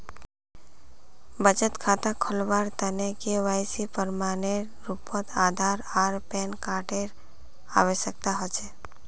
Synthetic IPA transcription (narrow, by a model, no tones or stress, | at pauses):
bəd͡ʒət̪kʰat̪akʰəlʋaɾt̪ənekeʋajsipəɾmaneɾːupət̪ʰad̪ʱaɾaɾpenkaʈeɾ | a̰ʋeʃək̚t̪aɦɔt͡ʃʰe